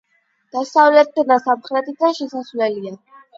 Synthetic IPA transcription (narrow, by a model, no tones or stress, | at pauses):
d̪̥asavlɛt̪̚ʰd̪d̪asamχɾɛt̪ʰid̪anʃɛsasvlɛlia